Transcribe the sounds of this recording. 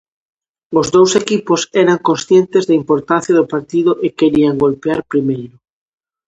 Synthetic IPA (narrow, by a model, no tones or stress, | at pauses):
ʊzðowsekipʊsɛɾaŋkõnsθjent̪ezðɐimpoɾt̪anθjaðʊpaɾt̪iðʊʔɪkeɾiaŋɡolpeaɾpɾimejɾʊ